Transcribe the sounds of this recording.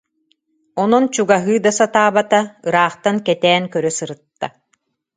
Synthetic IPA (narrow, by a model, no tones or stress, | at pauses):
ɔnɔnt͡ɕuɡaɦɯːd̪asat̪aːbat̪aɯɾaːχt̪ankɛt̪ɛːnkœɾœsɯɾɯt̪ːa